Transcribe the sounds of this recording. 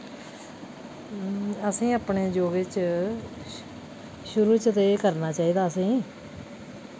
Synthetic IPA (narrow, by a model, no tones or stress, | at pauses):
əsĩːəːpɳeːd͡ʒoːɡeːt͡ʃ | ʃʊɾuːɾt͡ʃət̪eːkəɾnaːt͡ʃaːiːd̪aːəsĩː